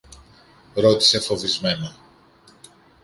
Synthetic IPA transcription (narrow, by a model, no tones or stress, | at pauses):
ɾo̞t̪i̥se̞fo̞vizme̞nɐ